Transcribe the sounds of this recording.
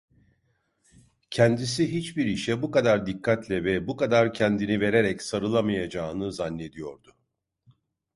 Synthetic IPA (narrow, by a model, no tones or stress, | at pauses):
cʰɛnd̪isiɦit͡ʃbiɾiʃɛbukad̪aɾd̪ikʰːat̪lʲɛvɛbukad̪aɾcʰɛnd̪inive̞ɾe̞ɾɛcsaɾɯlˠamajad͡ʒaːɯnɯzanːe̞d̪ijo̞ɾd̪ʊ